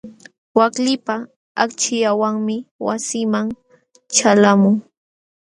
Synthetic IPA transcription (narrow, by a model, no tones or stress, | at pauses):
waklɪpa | akt͡ʃɪjawaŋmɪwasɪmaŋ | t͡ʃalamʊŋ